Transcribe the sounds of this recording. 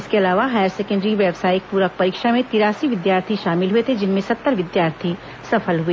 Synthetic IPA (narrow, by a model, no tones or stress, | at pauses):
ɪskeɐlaːʋaɦaːjəɾsɛːkə̃ɳɖɾiʋɛːbsaːɪk̚puːɾək̚pɐɾɪkʃamẽt̪ɪɾaːsiʋɪd̪jaːɾt̪ʰiʃaːmɪlɦuet̪ʰed͡ʒɪnmẽsɐt̪ːəɾʋɪd̪jaːɾt̪ʰi | sɐfəlɦui